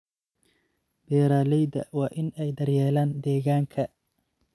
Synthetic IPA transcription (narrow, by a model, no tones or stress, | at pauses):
b̥ɛːɾaːlɛjd̪ɐ̰wɑːʔɪnɛjd̪ɐrjɛːlaːnd̪ɛːɣaːŋkʰɐ